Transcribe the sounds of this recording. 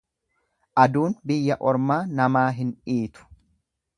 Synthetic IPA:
ʔɐd̪uːnbɪjːɐʔɔɾmaːnɐmaːɦɪniːt̪ʊ̥

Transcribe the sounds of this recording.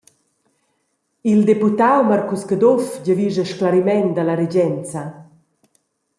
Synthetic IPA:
ild̪eput̪awmarkuskəd̪ɔfd͡ʑəviʒəʃklaɾimɛnd̪alaɾed͡ʑɛnt͡sa

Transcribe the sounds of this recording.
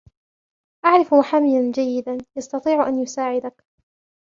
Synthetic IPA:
ʔaʕɾɪfmʊħaːmɪjand͡ʒajːɪd̪anjɑst̪ɑt̪ˤiːʕʔanjʊsaːʕɪd̪ak

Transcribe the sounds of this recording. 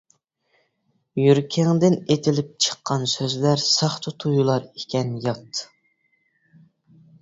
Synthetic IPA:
jyɾkʲʰɛŋd̪ɪnet̪ʰɪlɪp̚t͡ʃʰə̥qːɑnsøzlæɾsɑχt̪ʰʊt̪ʰujulˠɑɾekʲɛnjɑt̪

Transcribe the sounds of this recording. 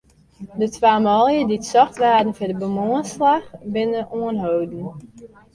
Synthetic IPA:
dətʋaːmɔlˠjəditsɔxtʋaːdən̩fidəbəmoənslaxbɪnəʔuənɦowdn̩

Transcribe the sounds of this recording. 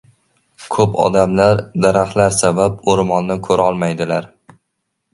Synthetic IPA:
kʰɵpɒ̰d̪amlaɾd̪aɾahlaɾsabap̚oɾmɒnːakʰɵɾaɒlˠmajd̪ɪlaɾ

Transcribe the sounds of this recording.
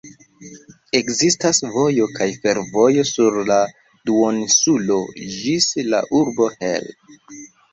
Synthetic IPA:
e̞kzistasvo̞jo̞kajfe̞ɾvo̞jo̞suɾla | duonsulo̞d͡ʒisla̰ʔuɾbo̞hḛl

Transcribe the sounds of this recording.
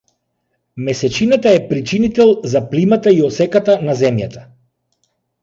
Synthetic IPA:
mɛsɛt͡ʃinat̪aɛpɾit͡ʃinit̪ɛlˠzaplimat̪aiɔsɛkat̪anazɛmjat̪ʰḁ

